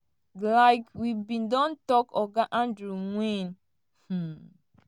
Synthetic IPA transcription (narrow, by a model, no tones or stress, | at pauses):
laɪkwibĩndɔ̃ntɔkɔɡaʔãndɾuŋwĩn̩